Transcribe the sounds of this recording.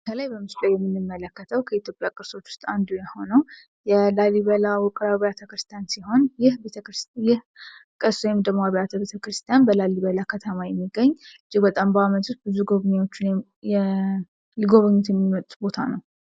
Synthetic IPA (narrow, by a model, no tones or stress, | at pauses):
kʰəlajbəmɨst̪ʼəjɛmːɨnːɨmːələkːət̪ʰəwkʰəit̪jo̞pʼjakʼɨɾso̞t͡ʃːʊ̥st̪ʼand̪ujaho̞nəw | jɛlaliβəlawʊkʼɾaβəjat̪ʰəkɾɨst̪ʰijansiho̞njɪhbet̪ʰəkɾɨsjɪh | kʼəsojɛmd̪əmaβəjat̪ʰəbet̪ʰəkɾɨst̪ʰijanbəlaliβəlakʰət̪ʰəmajɛmːiɡəɲːɨd͡ʒːɪɡbət̪ʼambəamət̪ʰust̪̚bɨzuɡoβɲeo̞t͡ʃːɪn | ɛ | liɡo̞βəɲːot̪jɛmːimət̪ʼubo̞t̪ʰanəw